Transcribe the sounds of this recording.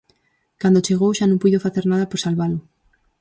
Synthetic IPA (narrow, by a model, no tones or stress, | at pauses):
kand̪ot͡ʃeɣowʃanõŋpuðofaθeɾnaðɐpoɾsalβalʊ